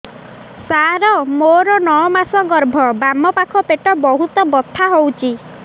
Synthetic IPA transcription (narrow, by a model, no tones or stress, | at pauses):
saɾɔmoɾɔnɔɔmasɔɡɔɾbʱɔbamɔpakʰɔpeʈɔbɔɦut̪ɔbɔt̪ʰːaɦowt͡ʃʰi